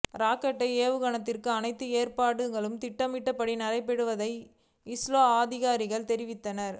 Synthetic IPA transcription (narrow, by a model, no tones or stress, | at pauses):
ɾaːkːɐʈːɐɪeːʋɯɣɐɳɐt̪ːɪrkɯɐnɐɪt̪ːɯeːɾpaːɽɯŋɡɐɭɯmt̪ɪʈːɐmɪʈːɐpːɐɽinɐɾɐɪpːɛɽɯʋɐðɐɪ | ɪsloːaːðɪɣaːɾɪɣɐɭt̪ɛɾɪʋɪt̪ːɐnɐɾ